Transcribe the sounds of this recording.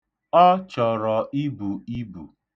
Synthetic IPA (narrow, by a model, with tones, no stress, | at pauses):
ɔ˦t͡ʃɔ˨ɾɔ˨i˦bu˨i˦bṵ˨